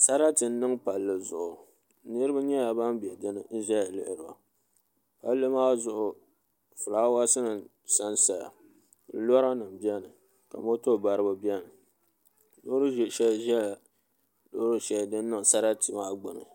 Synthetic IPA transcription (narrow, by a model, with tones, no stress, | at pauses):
sa˦ɾa˦tɨ˨n̩˦nɨ˦ŋpa˨lːɨ˨zʊ˨ʔʊ˨˦ | nɨ˦ɾɨ˦ba˦ɲɛ˦a˨ba˦m˦bi˨ɛ˨dɨ˦nɨ˨˦ʒa˦ja˨lɪ̰˦ʔɪ˨ɾɨ˨a̰˨ | pa˦lːɨ˦maː˦zʊ˨ʔʊ˨ | fʊ˨laː˦wa˦sɨ˦nɨ˨ | sa˦nsa˨ja̰˨˦ | lɔ˦ɾa˦nɨ˨m˨bi˦ɛ˦nɨ˨ | ka̰˨mo˦to˦˨ba˨ɾɨ˦ba˦bi˦ɛ˦nɨ˨ | lo˦ɾɨ˦ʒʃɛ˦lʒɛ˦˨ | lo˦hɾɨ˦ʃɛ˨˦˨dɨ˦nː˦ɨ˦ŋ˨sa˦ɾa˦tɨ˨maː˦ɡ͡bʊ˨nɨ̰˨